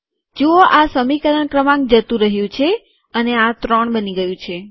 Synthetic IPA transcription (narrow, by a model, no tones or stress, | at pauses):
d͡ʒooʔasəmikəɾəɳkɾəmãŋk̚d͡ʒət̪ũɾəɦjũt͡ʃʰe | əneat̪ɾɔɳbəniɡəjũt͡ʃʰe